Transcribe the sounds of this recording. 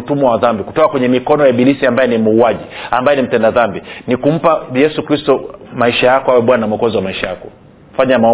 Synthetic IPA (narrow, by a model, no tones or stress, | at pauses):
tumɔwaðambiku̥tɔkakwɛɲɛmikɔnɔjaɓilisiambajɛnimuːaʄiambajɛnim̩tɛndaðambinikum̩pajɛsukɾistɔmaiʃajakɔawɛɓwanam̩ɔkɔziwamaiʃajakɔ | faɲama